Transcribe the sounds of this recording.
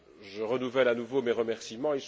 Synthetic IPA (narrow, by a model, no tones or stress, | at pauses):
ʒəʁənuvɛlanuvomeʁəmɛʁsimɑ̃eils